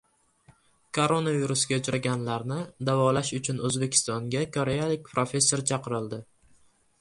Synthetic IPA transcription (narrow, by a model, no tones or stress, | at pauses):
kʰo̞ɾo̞naviɾʊsɡʲaʊt͡ʃʰɾaɡʲanlaɾnɪd̪avɒlaʃʊt͡ʃʰʊnɵzbe̞kʲʰɪ̥st̪ɒŋɡʲakʰoɾejalɪk̚ʲpɾofʲe̞sːo̞ɾt͡ʃʰɑqɨɾɪlˠd̪ɪ